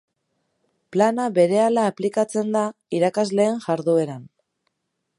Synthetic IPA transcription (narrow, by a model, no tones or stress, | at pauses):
planaβe̞ɾe̞alaːplikat͡se̞nd̪aiɾakazle̞ːŋʝaɾðue̞ɾan